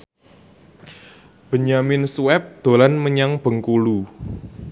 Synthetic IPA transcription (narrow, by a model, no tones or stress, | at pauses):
b̥ə̤ɲamɪnsuɛp̚d̪̥o̤lanməɲaŋb̥ə̤ŋkulu